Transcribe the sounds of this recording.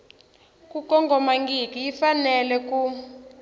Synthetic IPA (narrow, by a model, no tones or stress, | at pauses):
kukɔŋɡɔmaŋɡikiifanɛlɛk̬ʼu